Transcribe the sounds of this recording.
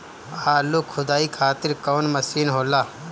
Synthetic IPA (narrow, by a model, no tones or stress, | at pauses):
aːlukʰʊd̪aːiːkʰaːt̪ɪɾkoːnmɐsiːnɦoːlaː